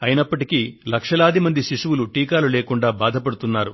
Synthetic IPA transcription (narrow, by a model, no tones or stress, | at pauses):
ɐjinɐpːɐʈikilɐkʂɐlaːd̪imɐnd̪iʃiʂuʋuluʈiːkaːluleːkuɳɖaːbaːd̪ʱɐpɐɽut̪unːaːɾu